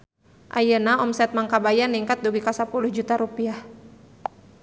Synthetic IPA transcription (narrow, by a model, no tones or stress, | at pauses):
ʔa̰jənaɔmsɛt̪̚maŋkabajaniŋkat̪̚duɡikasapuluhd͡ʒut̪aɾupiah